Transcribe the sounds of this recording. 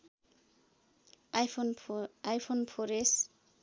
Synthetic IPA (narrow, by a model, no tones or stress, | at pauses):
ajpʰonajpʰonpʰoɾes